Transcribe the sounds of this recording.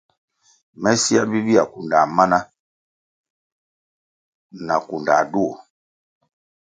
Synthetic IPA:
mɛ˦si˦a˦bi˦bi˦a˨ku˨nda˨ma˦na˦ | na˨ku˨nda˨du˦o˨

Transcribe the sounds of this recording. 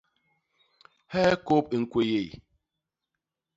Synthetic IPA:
hɛ˦ko˦p̚i˨ŋ̩˨kwe˨je˨i˨

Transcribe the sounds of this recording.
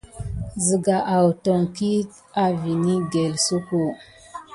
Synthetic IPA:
zi˨ɡa˨ʔa˨wto˨ŋki˦t | a˨vi˨ni˦ɡe˨lsu˦ko˨

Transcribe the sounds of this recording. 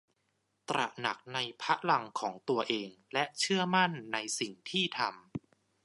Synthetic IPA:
t̪ɾa̰˨˩ʔna˨˩k̚na˧jpʰa˦˥ʔla˧ŋkʰɔː˩˦ŋt̪u˧ɐʔeː˧ŋlɛ˦˥ʔt͡ɕʰɯ˥˩ɐma˥˩nːa˧jsi˨˩ŋt̪ʰiː˥˩t̪ʰa˧m

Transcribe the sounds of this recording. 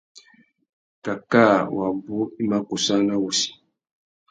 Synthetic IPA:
ka˨ka˦˨wa˨bo˦i˦ma˦ku˨sa˦na˦wu˨si̥˨

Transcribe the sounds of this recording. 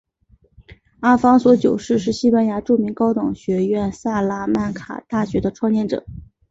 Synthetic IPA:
a˥fɑ˥ŋswɔ˧˥t͡ɕjo˨˩ʊʂɻ̩˥˧ʂɻ̩˥˩ɕi˥pa˥nja˧˥ʈ͡ʂu˥˩mi˧˥ŋkɑ˥ʊt̪ʊ˨˩ŋɕɥɛ˧˥ɥɛ˥˧nsa˥˩la˥ma˥˩nkʰa̰˨˩t̪a˥˩ɕɥɛ˧˥d̪ə˧ʈ͡ʂʰwɑ˥˧ŋjɛ˥˩nʈ͡ʂɤ̰˨˩˦

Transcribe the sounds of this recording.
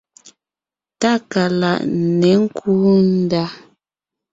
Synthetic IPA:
ta˦˨ka˨la̰˨ʔnɛ˨˦ŋ̩˦kʰuː˦n̩˦da˦

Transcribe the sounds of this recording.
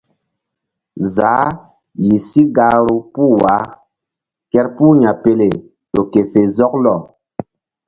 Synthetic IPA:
zaː˨˦ | ji˨si˦ɡaː˦ɾu˦pu˦wa˨˦ | kɛ˦ɾpu˦ɲa˨pe˦le˨ | to˨ke˨fe˨zɔ˦klɔ˨

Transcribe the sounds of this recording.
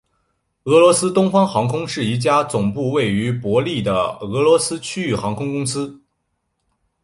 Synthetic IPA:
ɤ˧˥lwɔ˧˥sɹ̩˥t̪ʊ˥ŋfɑ˥ŋxɑ˧˥ŋkʰʊ˥ŋʂɻ̩˥˩i˧˥˩t͡ɕja˥t͡sʊ˨˩ŋpu˥˧we˥˩ɪy˧˥pwɔ˧˥li˥˩d̪ə˩ɤ˧˥lwɔ˧˥sɹ̩˥t͡ɕʰy˥y˥˩xɑ˧˥ŋkʰʊ˥ŋkʊ˥ŋsɹ̩˥

